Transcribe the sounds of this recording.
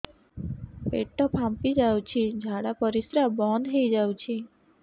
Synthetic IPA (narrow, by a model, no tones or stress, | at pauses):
ḛʈːɔpʰampid͡ʒawt͡ʃʰid͡ʒʱaɽapɔɾisɾabɔnd̪ɦejd͡ʒawt͡ʃʰi